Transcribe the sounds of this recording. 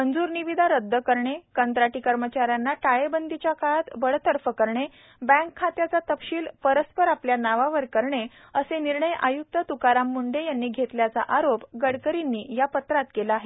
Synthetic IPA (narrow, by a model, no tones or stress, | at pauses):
mənd͡zuːɾniʋid̪ʱaɾəd̪ʱːəkəɾɳekənt̪ɾaʈikəɾmət͡ɕaɾjanːaʈajebənd̪it͡ɕjakaɭat̪bəɽt̪əɾfəkəɾɳe | bə̃ŋkʰːat̪jat͡sat̪əpɕiːlpəɾəspəɾapljanaʋaʋəɾkəɾɳe | əseniɾɳəjʔa̰juk̚t̪ət̪ukaɾamːuɳɖejanːiːɡʱet̪ljat͡sa̰ʔaɾopɡəɽkəɾinːiːjapət̪ɾat̪kelaːɦe